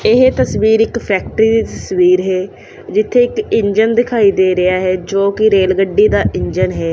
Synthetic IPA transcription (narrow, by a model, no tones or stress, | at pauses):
ɪɦet̪əsʋiːɾɪkpʰɛːk̚ʈəɾiːd̪iːt̪əsʋiːɾɦɛː | d͡ʒɪt̪ʰːeːɪkɪɲd͡ʒənd̪ɪkʰaːiːd̪eːɾɪaːɦɛːd͡ʒoːkɪɾeːlɡəɖːiːd̪aːʔɪɲd͡ʒənɦɛː